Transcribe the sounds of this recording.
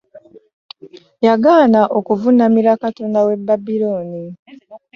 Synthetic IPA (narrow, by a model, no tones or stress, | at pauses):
jaɡaːnaʔo̞kuvunamiɾakato̞nawe̞bːabiɾoːni